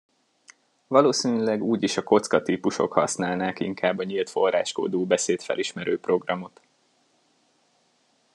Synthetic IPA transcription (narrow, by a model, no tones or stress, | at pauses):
vɒloːsiːnylɛɡuːɟiʃɒko̞t̪skɒt̪iːpuʃo̞̰khɒ̰snaːlnaːkḭŋkʰaːbːɒɲilt̪fo̞ra̰ːʃko̰d̪oːbɛseːt̪fɛ̰lʔiʃmɛɾøːpro̞ɡrɒmo̞t̪